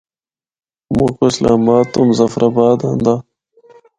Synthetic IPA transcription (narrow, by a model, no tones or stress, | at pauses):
mukoslaːbaːt̪ːumzɐfɾʔabaːd̪and̪aː